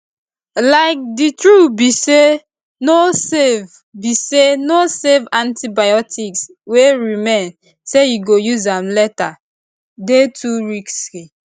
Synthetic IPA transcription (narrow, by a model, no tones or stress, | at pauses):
laɪk̚ditɹubise | nosev | bisenosevãntibajɔtʰiks | weɹimẽn | sejuɡojuzãmlɛta | detʰuɹiksi